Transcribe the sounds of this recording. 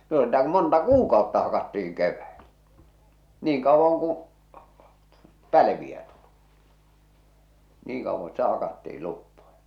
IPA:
no sitæ ku montɑ kuːkɑˑotːɑ hɑkɑtːiːŋ keʋːæelæ niːŋ kɑˑowːɑŋ kũː pæiʋiæ tuli̥ niːŋ kɑuʋːɑn̞ sitæ hɑkɑtːiil lupːojɑ

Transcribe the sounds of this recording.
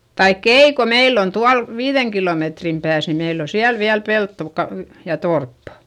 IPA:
tɑikː ei ko meilː on tuɑl ʋiːðeŋ kiloˑmetrim pæːs ni meilː o siæl ʋiæl peltːo kɑ jɑ torpːɑ̥

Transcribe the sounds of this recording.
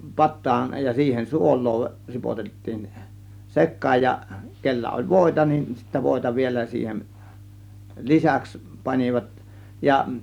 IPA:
pɑtˑɑːn jɑ siːhen suolˑoː ripotetːiːn sekˑɑːj jɑ kelːæ olʲ ʋoˑe̝tɑ nin sitːæ ʋoˑe̝tɑ ʋielæ siːhem lisæks pɑnʲiʋɑt jɑ

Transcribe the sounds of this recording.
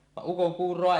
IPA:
ʋɑʔ ʔukoŋkuːrˑoɑ

